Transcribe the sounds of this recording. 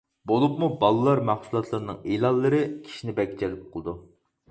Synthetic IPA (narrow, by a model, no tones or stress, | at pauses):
bolˠupmubɑlˠɨlˠɑɾmæχsulˠɑt̪ʰlˠɨɾnɨ̰ŋilˠɑlˠːəɾɨkʲʰi̥ʃinɪbɛɡʲd͡ʒɛlɪp̚qʰəlˠɨd̪u